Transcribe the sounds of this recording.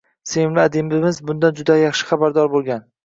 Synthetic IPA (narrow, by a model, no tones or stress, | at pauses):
seɪmlɪad̪ɪmɪmɪzbʊnd̪and͡ʒʊd̪ajɑχʃɪ̥χɑbaɾd̪ɒɾbolˠɡʲan